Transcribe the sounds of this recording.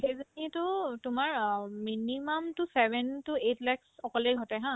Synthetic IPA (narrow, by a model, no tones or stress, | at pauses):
xejzanitʊtumaɹminimɔmtusɛbʱɛntuetlɛksɔkɔlejɡʱɔtɛɦã